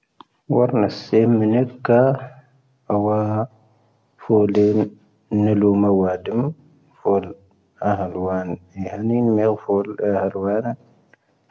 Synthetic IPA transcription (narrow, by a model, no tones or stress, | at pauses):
waɾnasːemːənikːa | awa | folen | nːəlumawadim | fol | aɦalwanihaninmeɣfolahalwana